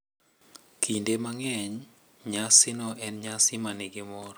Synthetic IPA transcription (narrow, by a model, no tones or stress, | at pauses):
kʰindemaŋɛɲ | ɲasɪnɔʔɛnɲasɪmanɪɡɪmɔɾ